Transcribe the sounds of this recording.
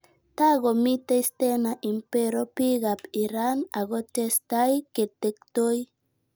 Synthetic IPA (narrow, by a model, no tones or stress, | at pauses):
t̪aɡomit̪ejst̪enaʔimpeɾopiɡapiɾanaɡot̪est̪ajket̪ekt̪oj